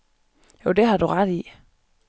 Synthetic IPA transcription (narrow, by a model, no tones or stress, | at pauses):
joʊd̥e̝ɦɑ̈d̥uʁɑd̥i